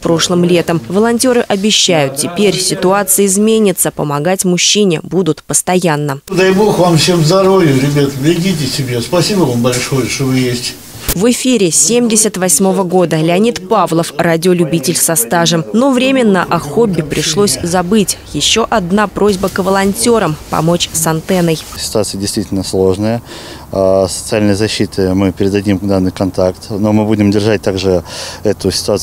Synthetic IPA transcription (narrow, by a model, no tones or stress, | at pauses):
pɾo̞ʂlˠəmlʲe̞t̪əmvəlˠɐnʲtʲoɾɨʔɐbʲɪɕːæjʊt̪̚tʲɪpʲeɾʲsʲɪt̪ʊat̪sɨjəɪzmʲenʲɪt̪səpəmɐɡatʲmʊɕːinʲɪbud̪ʊt̪pəst̪ɐjanːəd̪ajbo̞xvamfsʲemzd̪ɐɾovʲɪʊɾʲɪbʲat̪ʲɪɡʲit̬ʲɪsʲɪbʲespɐsʲibəvambɐlʲʂojəʂt̪ovɨjesʲtʲ | vɨfʲiɾʲɪsʲemdʲɪsʲət̪vɐsʲmo̞vəɡo̞d̪əlʲɪɐnʲit̪pavlˠəfradʲɪolʲʊbʲitʲɪlʲsɐst̪aʐəmno̞vɾʲemʲɪnːəʔɐxo̞bʲːɪpɾʲɪʂlˠo̞sʲzɐbɨtʲjɪɕːo̞ʔɐd̪napɾo̞zʲbəkvəlˠɐnʲtʲo̞ɾəmpɐ̰mo̞t͡ɕsɐnt̪ɛnəjsʲɪ̥t̪ʊat̪sɨjədʲɪjst̪vitʲɪlʲnəslˠo̞ʐnəjə | sə̥t̪sɨalʲnəjəzɐɕːit̪ʰɨmɨpʲɪɾʲɪd̪ɐdʲimd̪anːɨjkɐnt̪akt̪no̞mɨbudʲɪmdʲɪrʐat̚ʲt̪aɡʐɨɛt̪ʊsʲɪ̥t̪ʊat̪